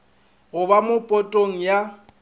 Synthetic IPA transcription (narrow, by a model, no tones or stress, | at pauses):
ɣʊbamʊpʼɔtʼoŋ̩ja